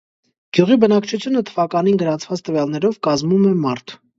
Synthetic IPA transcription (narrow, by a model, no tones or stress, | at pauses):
ɡ̥juʁibənɑkt͡ʃʰut͡sʰjunət̪ʰəvɑkɑninɡəɾɑnt͡sʰvɑt͡st̪əvjɑlnɛɾɔvkɑzmumɛmɑɾt̪ʰ